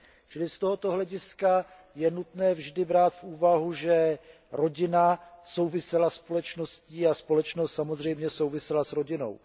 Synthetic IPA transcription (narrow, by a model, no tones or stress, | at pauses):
t͡ʃɪlɪst̪o̞ɦo̞t̪o̞ɦlɛɟɪska | jɛnut̪nɛːvʒdɪbɾaːt̪fʔuːvaɦuʒɛ | ɾo̞ɟɪnaso̞wvɪsɛlaspo̞lɛt͡ʃno̞sciːaspo̞lɛt͡ʃnost̪samo̞zr̝ɛjmɲɛso̞wvɪsɛlasɾoɟɪno̞̰w